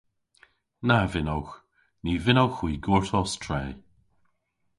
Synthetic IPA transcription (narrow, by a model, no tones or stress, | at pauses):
navɪnowx | niːvɪnowxwiːɡuːɹtʰɔstʰɹeː